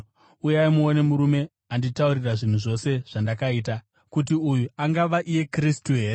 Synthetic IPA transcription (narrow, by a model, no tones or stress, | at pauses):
ujaimuone̞muɾume̞ | anditauriraʐin̤uʐo̞se̞ʐ̥andakaiːta | kutiujuaŋɡaʋaʔije̞kristuɦe̞ːɾe